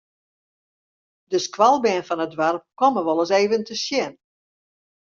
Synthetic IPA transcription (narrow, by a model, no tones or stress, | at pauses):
dəskwalˠbɛnfɔnədʋarp̚kɔməʋɔlˠəseːvəntəsjɪn